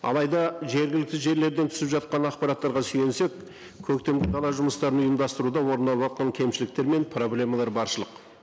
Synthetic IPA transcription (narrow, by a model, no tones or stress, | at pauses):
ɑ̰lˠɑjd̪ɑʒe̞ɾɡʲɪlɪk̚t̪ɪʒe̞ɾle̞ɾd̪e̞nt̪ʰʏ̥sɪpʒɑt̪̚qɑnɑqpɑɾat̪ːɑɾʁɑsyj̪e̞nse̞kʲ | kʲʰɵk̚t̪e̞mɡʲɪd̪ɑlˠɑʒʊməst̪ɑɾənʊjəmd̪ɑst̪əɾud̪ɑwo̞ɾənɑlˠɑt̪qɑŋkʲʰe̞mʃɪlɪk̚t̪e̞ɾme̞npʰro̞blʲe̞mɑlˠɑɾbɑɾʃəlˠəq